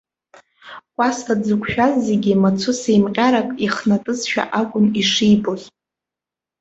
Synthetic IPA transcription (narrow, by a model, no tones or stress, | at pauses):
kʷʼasʰad͡zɨkʷʰʼʃᶣazːeɡʲimat͡sʰʊsejmqʲʼaɾakʼiχnatʼɨzʃᶣa̰ʔaɡʷʊniʂijboz